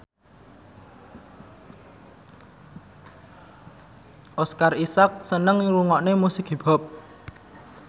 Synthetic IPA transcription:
ʔɔskarisak̚sənəŋɾuŋɔʔnemusɪɡ̥i̤b̥ɔ̤p̚

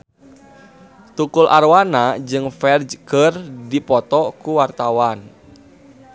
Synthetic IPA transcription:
t̪ukulʔa̰rwanad͡ʒɨŋfɛrd͡ʒkərdipɔt̪ɔkuwart̪awan

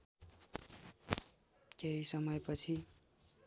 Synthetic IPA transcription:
keɦisʌmʌjpʌt͡sʰi

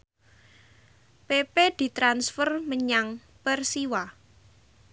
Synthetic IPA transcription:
peped̪̥i̤t̪ɾansfərməɲaŋ | pərsiwa

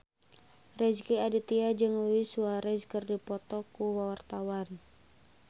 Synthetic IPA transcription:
rɛd͡ʒkiadit̪iad͡ʒɨŋuwisuaɾɛd͡ʒkərdipɔt̪ɔkuwawart̪awan

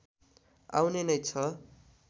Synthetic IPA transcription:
a̰wnenʌjt͡sʰʌ

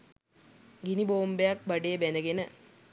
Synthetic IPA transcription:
ɡiniboːmbjaːk̚bɐɖebenɐɡenɐ

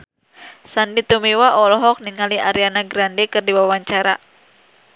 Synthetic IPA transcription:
sandit̪umiwaʔɔlɔɦɔk̚niŋaliʔaɾianaɡɾandekɨrdiwawaɲt͡ʃaɾa̰

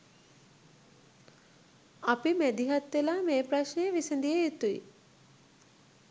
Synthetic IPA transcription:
apimæd̪iɦat̪ʋelaːmeːpɾaʃnejeʋisend̪ijejet̪uḭ

